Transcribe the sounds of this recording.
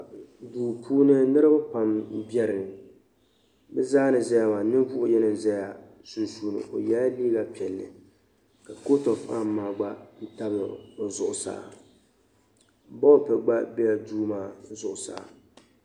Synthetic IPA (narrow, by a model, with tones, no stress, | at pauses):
duː˨pʰuː˦nɨ˦nɨ˦ɾɨ˦ba˦pa˨m˦bjɛ˦ɾɨ˨ŋ˨ | bɛ˦zaː˦nɨ˨zɛ˦ja˨ma˨nɨ˦vʊ˦ʔʊ˦jɛ˦nɨ˦˨zɛ˦ja˨ | su˨nsu˨nɨ̰˨ʔo˨ja˦liː˦ɡa˨pi˨ɛ˨lːɨ̰˨ | ka˨ko˦to˨fa̰˦mːaː˨ɡ͡ba˦n̩˦ta˦bɨ˨o˨zʊ˨ʔʊ˨sa̰ː˦˨˦ | bɔ˦pɛ˨ɡ͡ba˦bɛ˦ja˨duː˦maː˦zʊ˨ʔʊ˨sa̰ː˦˨